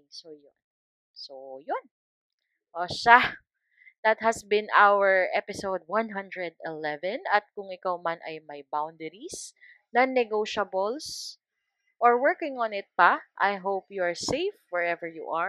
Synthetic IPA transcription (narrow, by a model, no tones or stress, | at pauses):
sojon | sojʊn | ʔoʃa | d̪̥ɐt̪̚hɐsbɪ̃nawəɹʔɛpɪsowd̪̚wãnɦɐ̃nd̪ɹɛd̪̚ɛlɛvɛ̃nɐt̪̚kʊŋɪkawmanʔɐ̰jmajbawnd̪ɛɾis | nɐnɛɡoʃɐbɔls | ʔɔɹwɛɹkɪ̃ŋɔnɪt̪̚pɐʔajɦowpjuaɹseɪfwɛɹɛvəɹjṵʔa